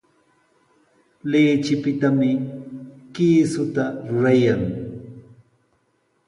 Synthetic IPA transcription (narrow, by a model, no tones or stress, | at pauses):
lɪːt͡ʃɪpɪt̪amɪ | kiːsʊt̪aɾʊɾajaŋ